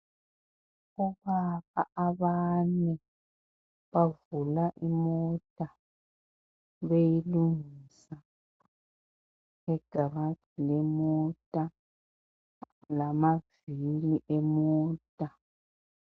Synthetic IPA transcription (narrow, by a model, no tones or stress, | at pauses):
ɔβaβaaβanɛ | βavulaʔimɔtʼa | βejiluŋiːsa | ɛɡ̥ʱaβatʰilɛmɔtʼa | lamaviliʔɛmɔːtʼa